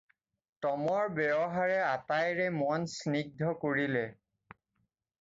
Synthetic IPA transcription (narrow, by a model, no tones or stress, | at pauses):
tɔmɔɹbɛɔɦaɹɛatajɹɛmɔnsniɡ̚dʱɔkoɹilɛ